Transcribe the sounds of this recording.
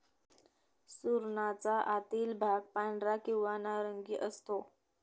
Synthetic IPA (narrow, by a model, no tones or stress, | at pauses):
suɾnat͡saʔat̪iːlbʱaɡ̚paɳɖɾakĩw̃ʋanaɾəŋɡiːʔəst̪o